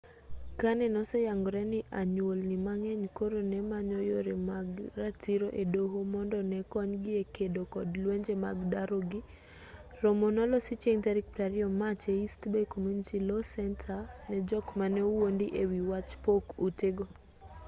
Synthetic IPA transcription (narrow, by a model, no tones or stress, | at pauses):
kanɛnɔsɛjaŋɡɔɾɛnɪʔaɲwolnɪmaŋɛɲkoɾonɛmaɲɔjoɾemaɡɾatiɾoʔedoɦomɔndɔnɛkɔɲɡɪekedokɔdlweɲd͡ʒema̰ɡdaɾoɡi | ɾomonɔlɔsit͡ʃeŋtaɾik̚pɾaɾiɔmat͡ʃeistbɛkomjunitilosɛntʰanɛd͡ʒɔkmanɛwondiʔewiwat͡ʃpokuteɡɔ